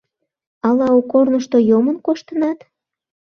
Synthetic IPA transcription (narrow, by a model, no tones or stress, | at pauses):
ɑlɑukːornəʃt̪ojomənkoʃt̪ənɑt̪